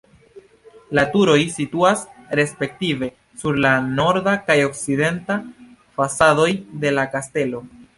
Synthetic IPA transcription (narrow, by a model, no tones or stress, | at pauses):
latuɾo̞jsituasɾe̞spe̞k̚tive̞ | suɾlano̞ɾdakajo̞kside̞nta | fasado̞jde̞lakaste̞lo̞